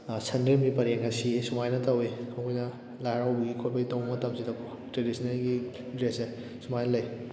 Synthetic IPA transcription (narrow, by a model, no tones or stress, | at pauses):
sʰɐndeɾmɡipɐɾeŋɐsisumajnɐtɐwikʰowkujnɐ | lajaɾawbɐɡikʰotpɐɡitowmɐtɐmsidɐkʰo | tɾedisʰinɐlɡi | dɾese | sumajnɐlɐj